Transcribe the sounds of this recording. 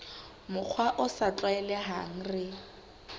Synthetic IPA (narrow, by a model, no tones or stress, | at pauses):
mʊk͡xʰwaʔʊsat͡ɬʼwaɛlɛɦaŋ̩rɪ